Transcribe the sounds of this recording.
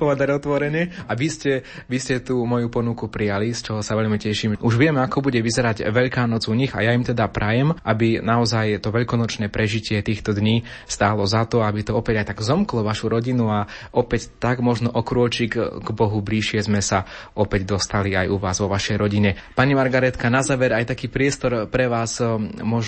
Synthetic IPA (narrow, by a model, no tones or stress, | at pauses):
pɔʋɛd̪aɾɔt̪ʋɔɾɛɲɛaʋiscɛʋiscɛt̪uːmɔjupɔnukupɾijalist͡ʃɔɦɔsaʋɛʎmicɛʃimuʒʋɪɛmɛakɔbuɟɛʋizɛɾaɟʋɛʎkaːnɔd͡zuɲiɣa̰jaimt̪ɛd̪apɾʔajɛmʔabinaɔzajt̪ɔʋɛʎkɔnɔt͡ʃnɛːpɾɛʒicɪɛt̪iːxt̪ɔd̪ɲiːst̪aːlɔzat̪ɔabit̪ɔɔpɛɟajt̪aɡzɔmklɔʋaʃuɾɔɟinuaʔɔpɛct̪aɡmɔʒnɔʔɔkɾʊɔt͡ʃikɡbɔɦubliʃɪɛzmɛsa | ɔpɛɟd̪ɔst̪aliajuʋaːzʋɔʋaʃɛjɾɔɟiɲɛpaɲimaɾɡaɾɛt̪kanazaːʋɛɾajt̪akiːpɾɪɛst̪ɔɾpɾɛʋaːsmɔʒ